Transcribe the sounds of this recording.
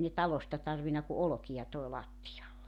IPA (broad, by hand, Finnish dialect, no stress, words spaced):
ne tɑlostɑ tɑrʋinɑ ku olŏkijɑ toi lɑtːijɑlːek